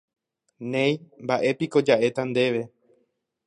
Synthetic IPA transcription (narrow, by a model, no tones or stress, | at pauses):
nẽj̃mbaʔe̞piko̞d͡ʒaʔe̞t̪and̪e̞ʋe̞